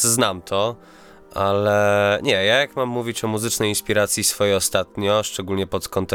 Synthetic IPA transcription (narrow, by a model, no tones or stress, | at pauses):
znamt̪ʰɔ | ʔalɛɲɛjajakmamːuvʲit͡ɕɔmuzɘt͡ʂnɛjinspʲiɾat̪sʲjisfɔjejɔst̪at̪ɲɔʂt͡ʂɛɡulɲɛpɔt̪kɔnt̪